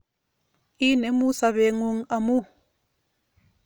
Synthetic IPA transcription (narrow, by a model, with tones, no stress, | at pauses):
i˦nɛ˨˦mu˦sa˨βɛ˨ŋu˦ŋa˨mu˦